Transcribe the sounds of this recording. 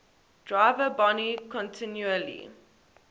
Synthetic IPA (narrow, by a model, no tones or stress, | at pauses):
d̥ɹaɪvəbɔnikʰɔ̃ntʰɪ̃njuəlḭ